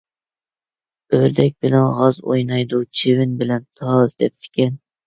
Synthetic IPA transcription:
øɾd̪ɛk̚ʲbɪlɛnʁɑzo̰jnɑjd̪ut͡ʃʰevɪnbɪlɛnt̪ʰɑzd̪ɛp̚t̪ʰɪ̥kʲʰɛn

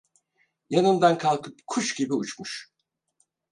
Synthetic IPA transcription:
janɯnd̪ankʰalˠkʰɯpkʰuʃɟ̥ibiut͡ʃmuʃ

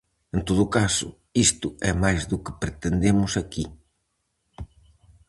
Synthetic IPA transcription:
ẽnt̪oðʊkasʊ | ist̪ʊɛmajzðʊkɪpɾet̪end̪emʊsaki

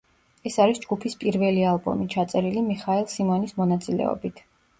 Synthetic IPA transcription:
ɛsaɾisd͡ʒɡupʰispʼiɾvɛlialˠbɔ̰mit͡ʃʰat̪sʼɛɾilimiχaɛlˠsimɔnismɔnat̪sʼilɛ̰ɔ̰bit̪ʰ

